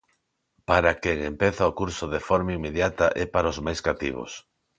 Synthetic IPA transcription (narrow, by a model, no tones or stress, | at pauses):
paɾakeŋempeθaokuɾsoðefɔɾmaimːeðjat̪aʔɛpaɾaozmajskat̪ḭβ̞o̰s